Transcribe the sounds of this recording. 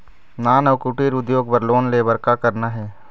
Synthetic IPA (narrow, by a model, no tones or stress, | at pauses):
naːnɐʋkʊʈiɾʊd̪joːɡbəɾloːnlebəɾkakəɾnaɦɛː